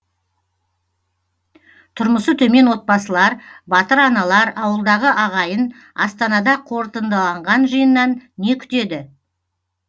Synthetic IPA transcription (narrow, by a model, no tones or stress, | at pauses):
t̪ʰʊɾməsət̪ʰɵme̞nwo̞t̪̚pɑsəlˠɑɾbɑt̪əɾɑnɑlˠɑɾɑwəlˠd̪ɑʁəʔɑʁɑjən | ɑst̪ɑnɑd̪ɑqʰo̞ɾt̪ənd̪ɑlˠɑɴʁɑnʒəjənːɑnːe̞kʲʰʏ̥t̪e̞d̪ɪ